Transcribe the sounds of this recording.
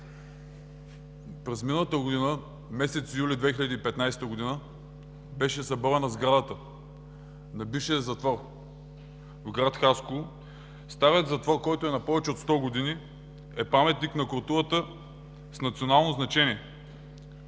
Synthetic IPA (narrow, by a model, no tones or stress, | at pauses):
pɾɛzminəlˠət̪əɡod̪inə | mɛsɛt̪sijulʲid̪vɛxiʎʲɐd̪iːpɛt̪najst̪əɡod̪inə | bɛʃɛzɐbavɛnəzɡɾad̪ət̪ə | nɐbiʃɛzɐt̪vɔɾ | vɡɾat̪xasko | st̪avʲjət̪zɐt̪vɔɾkɔjt̪oɛnɐpɔvɛt͡ʃɛot̪st̪ɔɡod̪ini | ɛpamɛt̪niknɐkolˠt̪uɾət̪ə | snɐt̪sʲionalˠnoznɐt͡ʃɛniɛ